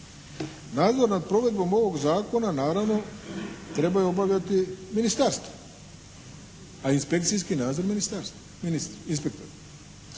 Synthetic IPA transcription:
naːd̪zo̞ɾnad̪̚pɾo̞ʋe̞d̪bo̞mo̞ʋo̞ɡzaːko̞nanaːɾaʋno̞t̪ɾe̞bajuo̞baʋlʎat̪iminist̪aɾst̪vo̥ | ainspe̞kt̪sijs̬kinaːd̪zo̞ɾminist̪aɾst̪ | inist̪inspek̚t̪oɾa

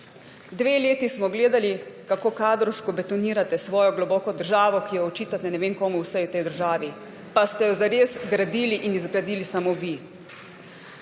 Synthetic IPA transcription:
d̪ʋeːleːt̪ismɔɡleːd̪alikakoːkaːd̪ɾɔwskɔbɛt̪ɔniːɾat̪ɛsʋɔːjɔɡlɔbɔːkɔd̪əɾʒaːʋɔkijɛɔt͡ʃiːt̪at̪ɛnɛʋeːnkɔːmuwsɛjut̪ɛjd̪əɾʒaːʋi | past̪ɛjɔzaɾeːzɡɾad̪iːliʔinizɡɾad̪iːlisamoʋi

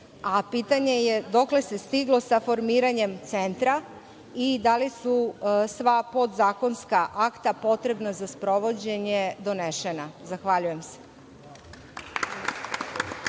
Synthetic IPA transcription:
apiːt̪aɲe̞jed̪o̞kle̞se̞st̪iɡlo̞safo̞ɾmiːɾaɲe̞mt̪se̞nt̪ɾa | id̪alisusʋapo̞d̪zaːko̞nskaʔakt̪apo̞t̪ɾe̞bnazaspɾo̞ʋo̞d͡ʑe̞ɲed̪o̞neʃenazaxʋaʎuje̞mse̥

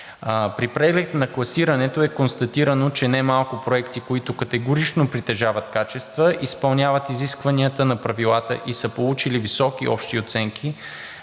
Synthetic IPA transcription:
pɾipɾɛɡlɛt̪nɐklˠɐsiɾɐnɛt̪oɛkonst̪ɐt̪iɾɐnot͡ʃɛnɛmalˠkʊpɾoɛkt̪ikoit̪okɐt̪ɛɡʊɾit͡ʃnopɾit̪ɛʒavət̪kat͡ʃɛst̪vəʔispɐlˠnʲavət̪iziskvɐniət̪ənɐpɾɐvilˠat̪ə̰ʔisəpolˠut͡ʃilivisɔk̟iɔ̰pʃt̪iot̪sɛŋk̟ʰi

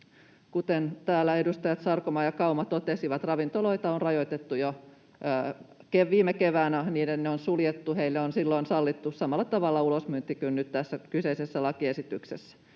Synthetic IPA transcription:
kut̪ent̪æːlːæe̞dust̪ɑjɑt̪sɑrkomɑːjɑkɑumɑt̪ot̪esiʋɑt̪rɑʋint̪oloit̪ɑonrɑjoit̪et̪ːujoː | keʋʋiːmekeʋæːnæniːdenːeonsuljet̪ːuheilːeonsilːoinsɑlːit̪ːusɑmɑlːɑt̪ɑʋɑlːɑulosmynt̪ːikynːyt̪t̪æsːækyseisesːælɑkiesit̪yksesːæ̥

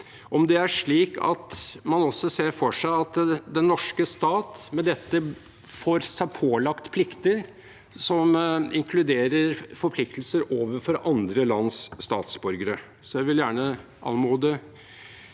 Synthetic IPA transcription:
ʔɔmd̪ɛæʂɭiːkɑ̰t̪mɑnɔsːɔseːɾfɔʂæɪɑt̪d̪ɛnːɔʂkəst̪ɑːt̪mɛd̪ɛt̪ːə | foːɾsæɪpʰoːlɑkt̪pʰlɪkt̪əɾ | sɔmɪŋkʰlʉd̪eːɾəɾfɔɾpʰlɪk̚t̪lsəɾoːʋəfɔɾɑnd̪ɾəlɑnsːt̪ɑːt̪sbʉɾɡəɾə | sɔjæɪʋɪljæːɳə | ʔɑ̰lmuːd̪ə

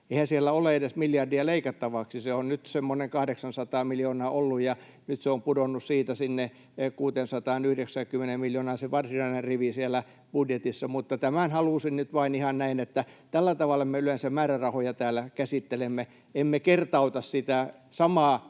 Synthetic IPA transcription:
eihæsielːæoleedesmiljɑrdiɑleikɑt̪ːɑʋɑksiseonnyt̪semːoneŋkɑhdeksɑnsɑt̪ɑːmiljoːnɑːʔolːujjɑ | nyt̪seompudonːussiːt̪æsinːe | kuːt̪ensɑt̪ɑːnyhdeksæŋkymːˑenemmiljoːnɑːseʋɑrsinɑinerriʋisielæ | b̥udjet̪isːɑmut̪ːɑt̪æmænhɑluˑsinnyt̪ʋɑinihɑnnæinet̪ːæt̪ælːæt̪ɑʋɑlːɑmeylensæmæːrærɑhojɑt̪æːlːˑækæsit̪ːelemːe | emːekert̪ɑut̪ɑssit̪æ | sɑmɑː

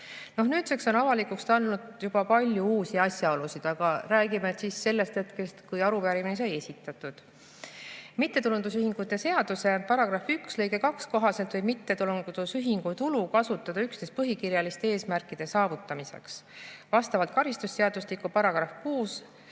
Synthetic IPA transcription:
no̞hnyːt̪sekso̞nɑvɑlikukst̪ɑlnud̪̥jub̥ɑpɑlʲjuuːsiɑsʲjɑo̞lusid̪̥ɑɡ̥ɑɾæːɡimet̪sisːe̞lːe̞st̪e̞t̪ke̞st̪kujɑɾupæɾiminesɑje̞sʲit̪ːˑɑt̪ːˑud̪̥ | mit̪ːe̞t̪ulund̪usyhiŋɡ̥ut̪ːˑe̞se̞ɑd̪̥use̞pɑɾɑɡ̥ɾɑfykslɤjɡe̞kɑksko̞ɦɑse̞lt̪vɤjmit̪ːe̞t̪ulunɡud̪̥usyɦiŋɡ̥ut̪ulukɑsut̪ːˑɑd̪̥ɑyksnespɤɦikiɾjɑlist̪e̞e̞ːsmærkːˑid̪̥e̞sɑːvut̪ˑːɑmise̞̰ksvɑst̪ɑvɑlt̪̚kɑɾist̪usːe̞ɑd̪̥uslikːˑupɑɾɑɡ̥ɾɑfkuːs

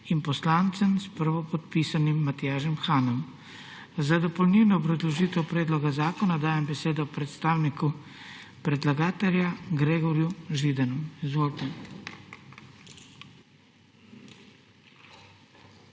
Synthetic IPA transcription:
impɔslaːnt̪sɛmspəɾʋɔpɔt̪piːsanimːat̪ijaːʒɛmxaːnɔm | zad̪ɔpɔlniwnɔbɾɔzlɔʒiːt̪ɛwpɾɛːd̪lɔɡazaːkɔnad̪aːjɛmbɛseːd̪ɔpɾɛt̪st̪aːwniku | pɾɛd̪laɡaːt̪ɛljaɡɾeːɡɔɾjuʒid̪anɔmizʋoːlt̪ɛ

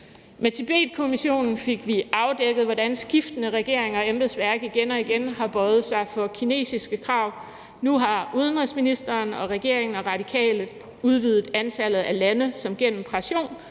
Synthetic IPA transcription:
met͡sʰeb̥ḛːd̥̚kʰo̝miɕo̝̰ːnn̩fe̝ɡ̥ʋiʔɑ̈ʊd̥eɡ̥əð̞̩ˠʋɒd̥ænsɡ̥ifd̥ənəʁɛɡ̥e̝ɐ̰eŋɒ̽emb̥əðˠsʋæɐ̰ɡ̥iɡ̥enɒ̽iɡ̥enhɑ̈b̥ɒɪð̩ˠsɑ̈ɪfɒ̽kʰine̝̰ːsisɡ̥əkʰʁɑ̈ʊ̰ | nuɦɑ̈uðˠənʁisminisd̥ɐːnɒ̽ʁɛɡ̥e̝ɐeŋn̩ɒ̽ʁɑ̈d̥ikʰɛ̰ːlð̩ˠ | uð̞ˠʋiːð̞̩ˠænt͡sʰælð̞̩ˠælænəsɒ̽mɡ̥en̰m̩pʰʁɑ̈ɕo̝̰ːn

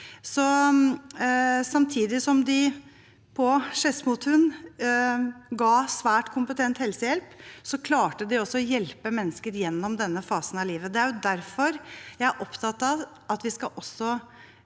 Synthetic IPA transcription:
sɔ | sɑmt̪ʰiːd̪ɪsɔmd̪ɪ | pʰɔʂɛsmʊt̪hʉn | ɡɑːsʋæːʈkʰʊmpət̪ʰɛnt̪hɛlsəjɛlpsɔkʰlɑːʈəd̪ɪɔsːɔɔjɛlpəmɛnːəskəɾjɛnːɔmd̪ɛnːəfɑːsənɑliːʋəd̪ɛæɾjʊd̪æɾfɔɾjæɪæʔɔpt̪ʰɑt̪ɑʋ | ɑt̪ʋɪskɑʔɔsːɔ

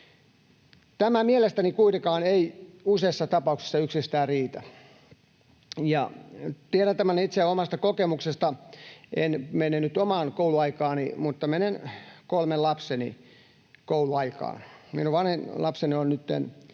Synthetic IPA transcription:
t̪æmæmielest̪ænikuit̪ekɑːneiuseːsːɑt̪ɑpɑuksi̥sːɑyksist̪æːrriːt̪æ | jɑt̪ieɾænt̪æmænit̪seomɑst̪ɑkokemuksest̪ɑenmenenyt̪omɑːnkouluɑikɑːnimut̪ːɑmenenkolmellɑpsenḭ | kouluɑikɑ̰ːnmḭnuʋʋɑnhenlɑpsenionnyt̪ːḛn

